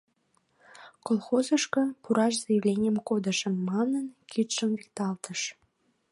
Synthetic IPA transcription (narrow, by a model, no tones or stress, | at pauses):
kolˠxozəʃkɤpuɾɑʃzɑjəvlʲenʲəmkod̪ə̆ʃəmːɑnənkʰyt̪ʃəmvik̚t̪ɑlt̪əʃ